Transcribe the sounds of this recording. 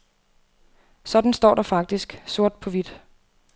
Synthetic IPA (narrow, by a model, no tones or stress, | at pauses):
sɒ̽d̥n̩sd̥ɒ̰ːɾ̥ɑ̈fɑ̈ɡ̥̚d̥isɡ̥so̝ɐ̰d̥̚pʰɒ̽ʋid̥